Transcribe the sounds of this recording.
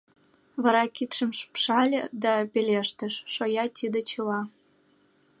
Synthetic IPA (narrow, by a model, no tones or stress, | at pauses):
βɑɾɑkit̪ʃə̆mʃpʃɑlʲəd̪ɑpelʲeʃt̪ə̆ʃːojɑt̪ʲid̪ĕt͡ɕɤlɑ